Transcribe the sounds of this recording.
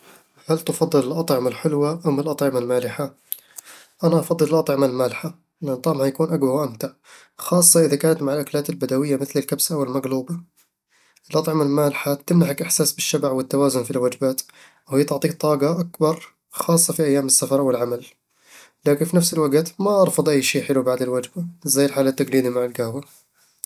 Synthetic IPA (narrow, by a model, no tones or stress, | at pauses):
halt̪ɪfɑd̪ˤːɨlɪlʔɑt̪ˤʕɪmalħɪlwaʔamɪlʔɑt̪ˤʕɪmalmaːlɪħa | ʔanaʔɑfɑd̪ˤːɨlɪlʔɑt̪ˤʕɪmalmaːlɪħa | lɪʔant̪ˤɑmʕanjakuːnʔaɡbɑɾˤwʔamt̪aʕ | xɑːsˤːɑʔɪðakaːnat̪maʕɪlʔaklaːt̪ɪlbad̪awɪjːamɪθlɪlkabsawɪlmaɡluːba | ʔɪlʔɑt̪ˤʕɪmalmaːlħat̪ɪmnaħakʔɪħsaːsbɪʃːabaʕwɪt̪ːawaːzʊnfilwad͡ʒbaːt̪ | whɪjːat̪ɪʕt̪ˤiːkt̪ˤːɑːɡɑʔakbɑɾˤ | xɑːsˤːɑfiʔajːaːmɪsːafɑɾˤwɪlʕamal | laːkɪnfiːnafsɪlwaɡt̪maʔɑɾˤfɑd̪ˤʔajːʃiːħɪlubaʕd̪ɪlwad͡ʒbaɪzajːɪlħaːlat̪ːaɡliːd̪imaʕɪlɡahwa